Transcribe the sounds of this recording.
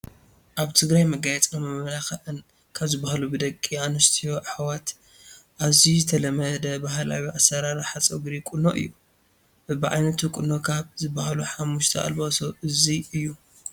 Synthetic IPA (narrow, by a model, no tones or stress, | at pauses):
ʔaβt̪ʰɨɡɾajmɐɡajɛt͡sʼnɐmɐmlaxɐʔɨn | kʰaβzɨbahalubɨd̪ɐkʼːianust̪ʰijoʔħawat̪ | ʔaβzizɨt̪ʰɐlɐmɐd̪ɐbaɦla̰wiʔasɐɾaɾħat͡sʼɐɡɾikʼunoʔɨ̰jːu | bɨbɨʕa̰jnɐt̪ʰukʼunokʰaβzɨbahaluħamːuʃt̪ʰɐʔa̰lbosoʔɨziɨjːu